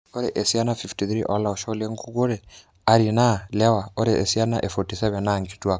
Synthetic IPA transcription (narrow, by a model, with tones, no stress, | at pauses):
ɔ˦ɾɛ̰˨ʔɛ˨sia˦na˦fiftiθɾi˦ʔɔ˦la˨ɔʃɔ˦lɛ˦ŋkʰu˦ko˦ɾɛ | a˨ɾina˦lɛ˦wa˨ɔ˦ɾɛʔe˨sia˦na̰˦ʔɛ˨fɔtisɛβɛ˨naŋɡitwa˦